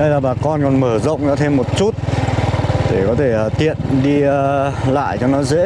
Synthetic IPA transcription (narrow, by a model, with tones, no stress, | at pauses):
ɗə˧jlaː˨˩ɓaː˨˩kɔ˧nkɔ˨˩nməː˧˩zə̰˧˨wŋ͡mɗa̰ː˧˥t̪ʰe˧mːo˨˩t̚t͡ɕu˦˥t̚ | t̪e˧˩kɔ˨˦t̪ʰe˧˩˨t̪ḭ˧˨ənɗi˧la̰ː˧˨jt͡ɕɔ˧nɔ˨˦zḛ˧˥